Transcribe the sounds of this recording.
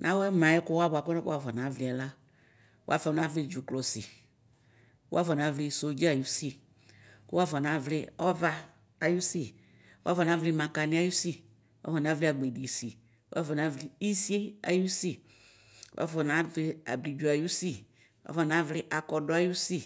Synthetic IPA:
nʔã˦wɛ˦mã˨˦ɛ˦kʊ˦wa˦bʷa˨kɔ˦nɪ˦u˦a˦fɔ˨n˨ã˨˦vlɪ˨˦a˨la˦ | o˦a̰˦fa˨˦na˦vlɪ˦d͡ʒu˨klɔ˨si˨ | u˦a˦fɔ˨n˨a˨˦vlɪ˦so˨d͡ʒi˦a˨ju˦si˦˨ | kʊ˦wa˦fɔ˨na˨vlɪ˦ɔ˦vaː˦˨ | ju˦si˨ | u˦a˦fɔ˨na˨˦vlɪ˦mã˨ka˨nɪ̃˦a˦ju˦si˦ | wʔa̰˦fɔ˨n˨a˦vli˦a˨ɡ͡be˨di˨si˨ | u˦a̰˦fɔ˨n˨a˦vlɪ˦i˦si˦e˦a˨ju˦si˦˨˦ | a̰˦fɔ˨na˦vlɪ˦a̰˨bli˨d͡ʒu˨a˨ju˦si˦˨ | wa̰˦fɔ˨na˦vlɪ˦ʔa˨kɔ˨dɔ˦a˦ju˦si˦˨

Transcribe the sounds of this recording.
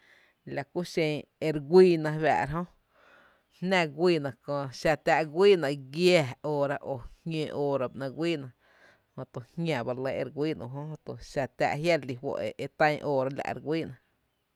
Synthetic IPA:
la˨ku˦ʃẽ˧e˧ɾɡʷiː˦nã˧βa̰˧˨ʔɾɦõ˦ | hnã˦˧ɡʷiː˦˧˨nã˨kõ˧˨ʃa˧t̪a˧ʔɡʷiː˦nã˧ʔɡja˧˨oː˧ɾa˧ʔo˨hŋʲẽː˧˨ʔoː˧˨ɾa˧bʔnã˧ɡʷiː˦nã˧ | hõ˧t̪o˨hɲʲã˨ba˧ɾlə˧˦e˧ɾɡʷiː˦nṵ̃˧˨ɦõ˦ho˧t̪o˨ʃa˧t̪a̰˧ʔɦja˦ɾli˧wo̰˧ʔee˧t̪ã˦ɲʔoː˧˨ɾa˧la̰˨ʔɾɡʷwiː˦nã˧

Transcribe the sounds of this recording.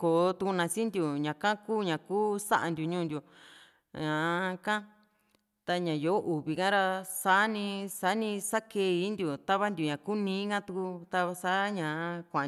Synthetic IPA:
ko˨˧t̪u˧ku˧nã˧sĩ˦nd̪ju˨ɲã˨kã˦kuː˦ɲã˨kuː˦sa̰˦ʔa˧nd̪ju˨ɲũː˦nd̪ʲju˨ | ã˨kã˦ | t̪a˧ɲã˨jo˨˦ʔu˨βi˨kã˦ɾa˧sa˨˦nĩ˧sa˨˦nĩ˧sa˦ke˧˦˧i˧˦nd̪ju˨t̪a˦βa˦nd̪ju˨ɲã˨ku˦nĩː˧˦kã˦t̪u˧ku˧t̪a˧βa˧sa˦ɲã˨˦kʷã˨

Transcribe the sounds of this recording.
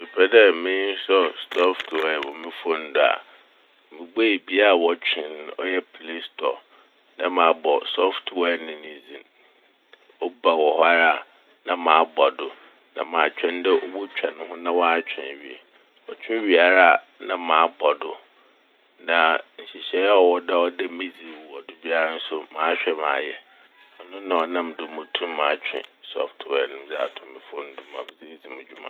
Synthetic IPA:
mi˨pʰɛ˦dɛ˦mɪ̃˦sɔ˦stʰɔ˦ftʰɛ˦˨wɔ˨mɪ̃˦fɔ˦n˦dʊ˦a̰˨ | mɪ̃˨ɡ͡be˦i˨bi˦a˦˨wɔ˨t͡ɕᶣʰɪ̃˨n˦ɔ̰˦jɛ˦pʰle˦stʰɔ̰˨ | nã˦mã˨˦bɔ˨sɔ˦ftʰwɛ˦nɪ̃˨nĩ˨zĩ˨m | ɔ˦ba˨wɔ˨hɔ˦a˦ɾa˦˨ | nã˨mãː˨a˦bɔ˨dʊ˦ | nã̰˨mã˨t͡ɕᶣʰɛ̃˦n˦dɛ˦o˦bu˦t͡ɕᶣa˨nʊ̃˨˦hʊ̃˦nã˦wɔ˦a˦t͡ɕᶣʰɪ̰̃˨n˨ɥḭ˨ḛ˨ | ɔ˨t͡ɕᶣʰɪ̃˦ɥi˨a˨ɾa˦˨ | nã˨mãː˨˦bɔ˨dʊ˦ | nã˨ɲ̩˨ɕi˨ɕɛ˦a˦ɔ˨wɔ˦dɛ˦ɔ˦dɛ˦mẽ˦d͡zi˨wɔ˨dʊ˨bi˦a˦ɾa˦n̩˦sʊ˦mãː˨˦ɕᶣɛ˦mã̰ː˨jɛ˦˨ | a˨nʊ̃˦nã˨ɔ˨nã˦m˨dʊ˨mʊ̃˨tʰũ˦m˦mãː˨˦t͡ɕᶣʰɪ̰̃˨sɔ̰˨ftʰwɛ˨nɪ̃˨m̩˦d͡zɛ˦a̰˨tʰʊ̃˨mːɪ̃˨fʊ˦n̩˦dʊ̃˦mã̰˨m˨zi˦d͡zi˨mʊ̃˨d͡ʑᶣu˦mã̰˦˨

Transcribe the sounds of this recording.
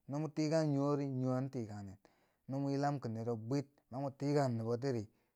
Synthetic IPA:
no˦mu˦ti˦ɡa˦nɲo˦ɾi˦ɲu˨a˦n˦ti˨ka˨ne˨t | no˦mu˦i˦la˦mki˨ne˨ɾo˨bʷi˦t̚ma˨˦mu˨ti˦ka˦˨nː˨i˨bo˨t̬i˦ɾi˨

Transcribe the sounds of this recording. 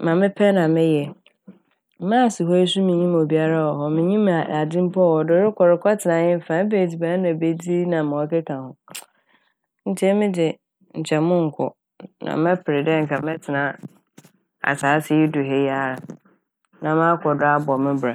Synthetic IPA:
mã˨mɪ̃˦pʰɛ˦nã˨mɪ̃˦jɛ˨˦ | mã˦˨sɪ˨ɦɔ˦e˦s̬u˦mɪ̃˨ɲĩ˦m˨o˨bi˦a˦ɾa˦wɔ˨ɦɔ˨mɪ̃˨ɲĩ˦m˨a˨a˨d͡zɪ̃˦m˦pʰɔ˦wɔ˨dɪ˨ɾɪ˦kʰʷɔ˨ɾɪ˨kʰɔ˦tʰɪ˨nã˨˦ɲɪ̃˦m̩˦˨fãː˨˦be˨d͡zi˨bã˨˦nã˨be˦d͡zi˦nã˨mɪ̃˨ɔ˦kɛ˦kʰã˨hʊ̃˨ | n̩˨t͡ɕʰɛ˦mɪ̃˦dɪ˨ | n̩˨t͡ɕʰɛ˨mʊ̃˦ŋ̩˨kʰʊ̰˨ | nã̰˨mɛ̃˦pʰɪ˨ɾɪ˨dɛ˦ŋ̩˨kʰa˨mɛ̃˦tʰɪ˨nã˦ | a̰˨saː˨˦sɪ˨jɪ˦dʊ˨ɦe˨ja˦˨ɾa˨ | nã˨mã˦kʰɔ˨dʊ˦a˦bɔ˨mɪ̃˦ba˨

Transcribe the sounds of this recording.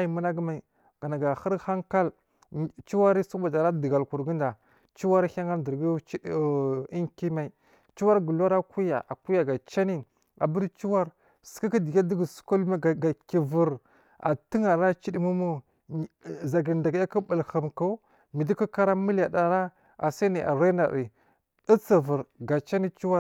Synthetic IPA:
a˦jmu˦na˦ɡma˨ | ɡ̥a˨na˨ɡa˨xə˦ɾxa˦ŋka˦l | t͡ʃi˦wa˦ɾi˦su˦ba˨da˨ɾa˦də˨ɡa˨lku˨ɾɡi˦nda˨ | t͡ʃi˦wa˦ɾxʲa˦ŋa˦də˨ɾɡi˦i˦˨i˦ŋki˦ma˨i˨ | t͡ʃi˦wa˦ɾɡə˨la˦ɾa˦ku˦ja̰˨ʔa˨ku˦ja˨ɡa˨t͡ʃa˦ni˦ | a̰˨bə˦ɾt͡ʃi˦wa˦ɾ | sə̥˦ka˦ki˦di˨ɡa˦di˦ɡə˨su̥˦ko˦lma˦˨ɡa˨ki˨və˨ɾ | a̰˨ti˦ŋa˨ɾa˦t͡ʃi˦di˦mu˦mu˦ | za˨ɡə˨nda˨ɡja˦ka˦bə˨lxə˨mka˦ | mi˨di˦ka˦ka˦ɾa˦mi˦la˨da˨ɾa˦ | a˨sa˦ni˨ʔa̰˨ɾa˦na˨ɾi˨ | ə˦t͡sa˨və˨ɾɡa˨t͡ʃa˦ni˦t͡ʃi˦wa˦

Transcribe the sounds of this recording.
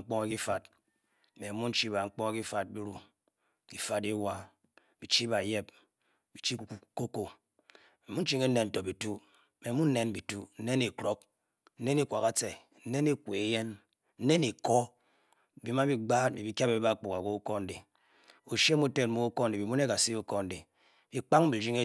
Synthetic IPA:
k͡pɔ˦ŋa˦ki˦fa˨t̚ | me˨mu˦n̩˦t͡ʃi˦ba˨ŋ͡m̩˦k͡po˦ŋa˦ki˦fa˨d̚bi˦ɾu˨ | ki˨fa˨de˦wa˦ | b̥i˨t͡ʃi˦ba˨je˦p̚ | bi˨t͡ʃi˦ko˦ko˨ | e˨mu˦n̩˦t͡ʃi˦ŋe˦ne˨n̩˨to˨bi˨tu˦ | me˨˦mu˦n̩˦ne˦nbi˨tu˦n̩˦ne˦ne˨kɾo˦k̚ | n̩˦ne˦ni˦kʷa˨ka˦t͡se˨ | n̩˦ne˦ne˦kʷe˨˦je˦n | n̩˦ne˦ni˨kɔ˦˨ | bi˨˦ma˦bi˦ɡ͡baː˦t̚mi˨bi˦kʲa˦be˨bi˦ba˦k͡pu˨ka˨ko˦ko˦n̩˦de˨ | o˨ʃe˦mu˦te˦tmu˦o˦ko˦n̩˨de˨bi˨mu˦ne˦ka˨si˦o˦ko˦n̩˨de˨ | bi˨k͡pa˦ŋbi˨d͡ʒi˦ŋe˦

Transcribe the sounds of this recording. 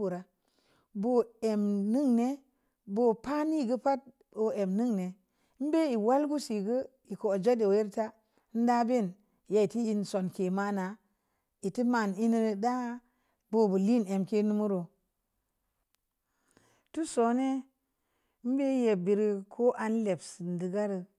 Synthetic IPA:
u˨ɾa˨ | bo˨e˨mnɨ˦ŋne˦ | bo˨pa˦ni˦˨ɡə˦pa˦t̚ | bo˨e˨mni˦ŋne˨˦ | m˦be˦i˨wa˦lɡu˦si˨ɡə˦ | i˨ko˨d͡ʒa˦de˨je˦ɾta˦ | n̩˦da˦be˦˨n | ja˨i˨ti˦ji˦nso˨nke˨ma˦na˨ | i˨ti˦ma˨ni˦ni˦˨da˦ | bo˦bə˨li˦ne˨mke˦nu˦mu˦ɾo˨ | tu˦so˨˦ne˦ | m̩˦be˦je˨bi˨ɾi˦kʰo˦ʔa˨nle˨bsi˨ndi˨ɡa˦ɾə˨

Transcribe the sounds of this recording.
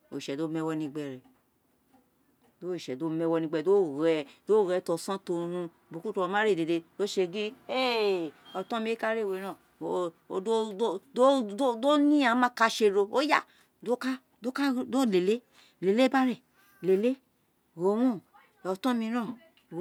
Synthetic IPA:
o̰˨ʃɛ˨do˦mɛ˧wɔ˧nĩ˧ɡ͡bɛ˧˨ɾɛ˨ | do˦˨ʃɛ˨do˦mɛ˧wɔ˧nĩ˧ɡ͡bɛ˧˨do˦ɣɛ˧do˦˨ɾɛ˧˦tɔ˧sã˦to˧hũ˧ | bu˨ku˦to˧˦mã˦ɾe˦˨de˨de˧do˦ʃe˧ɡi˦e˦ɔ˧tɔ̃˦mĩ˧˦e˦ka˦ɾe˦˨we˨˧˦ɾã˦˨ | o˨o˨do˦o˦o˦do˦nĩ˦a˨˦mã˦ka˧ʃe˧ɾo˧o˦ja˦ | do˦ka˦ | do˦ka˦do˦le˨le˦ | le˨le˦ba˦ɾe˨ | le˨le˦ | ɣo˨˦wũ˦ | ɔ˨tɔ̃˦mĩ˧ɾã˦˨

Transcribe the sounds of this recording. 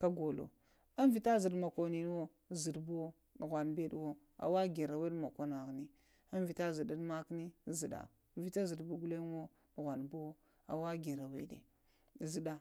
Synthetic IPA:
ka˦ɡo˨lo̰˨ | a˦n˦vi˨ta˦zi˨dma˨ko˨ni˨n˦wo˦ | zi˨dbu˦o˦˨ | ɣʷa˨nbe˦dwo˦ | a̰˨wa˦ɡe˨ɾa˨we˦dma˨ka˨na˨ɣni˦ | a˦n˦vi˨ta˦zi˨da˦n˦ma˦kni˦˨zi˨da̰˨ | vi˨˦ta˦zi˨dbu˦ɡu˦le˦n˦wo˦ | dɣʷa˨nbu˦wo˦ | a̰˨wa˦ɡe˨ɾa˨wḛ˦dḛ˨ | zi˦da˨

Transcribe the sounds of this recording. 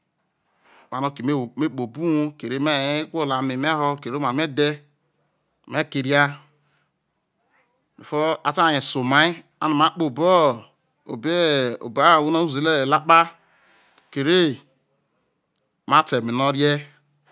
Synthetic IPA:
m˨a˨no˦ke˨me˦˨me˦k͡po˨bu˦o˦ke˨ɾe˦me˦˨e˦kʷo˦la˨me˨m˦e˦ɦo˦ke˨ɾe˦ma˨me˦de˦˨ | me˦ke˨ɾja˦ | mḛ˨fo˦a˦ta˦a˨ɲe˨so˨ma˦i˦ | a̰˦na˨ma˦k͡po˨bo˦ | o̰˨be˦o̰˨ba˦˨wu˦na˦u˦˨ze˨le˦e˨la˦k͡pa˦ | ke˨ɾe˦ | ma˦te˨mi˨no˦ɾe˦

